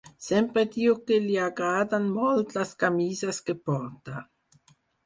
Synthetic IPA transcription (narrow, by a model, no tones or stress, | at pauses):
sɛmpɾed̪iːokeliaɡɾaːd̪anmɔlt̪laskamiːzaskepɔrt̪a